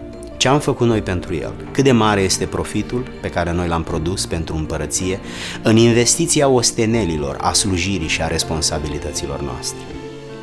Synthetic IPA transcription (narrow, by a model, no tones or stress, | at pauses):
t͡ʃe̞amfəkut̪no̞jpe̞nt̪ɾujḛlkɨt̪̚d̪e̞maɾe̞je̞st̪e̞pɾo̞fit̪ulpe̞kaɾe̞no̞jlampɾo̞d̪uspe̞nt̪ɾuɨmpəɾət̪sije̞ | ɨninve̞st̪it̪siao̞st̪e̞ne̞lilo̞̰ra̰sluʒiɾiʃiaɾe̞spo̞nsabilit̪ət̪silo̞̰rnoa̰st̪e̞ɾ